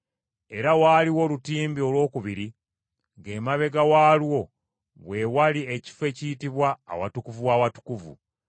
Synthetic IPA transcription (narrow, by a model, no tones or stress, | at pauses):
e̞ɾawaːliwo̞lutiːmbio̞lwo̞ːkuβiɾi | ɡe̞ːmaβe̞ɡawaːlwo̞ | βwe̞walie̞ci̥fe̞ːciːtiβwa̰ːwa̰tukuvuwaːwatu̥kuvṵ